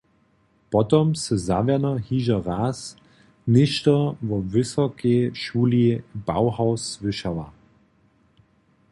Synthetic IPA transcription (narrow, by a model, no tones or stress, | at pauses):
pɔtɔmsəzaːvɛnɐhiːʒɐʁaːs | nɪʃtɐvɔvʏsɐkeʃuːlib̥a̰ʊhaʊsvɪʃɐva̰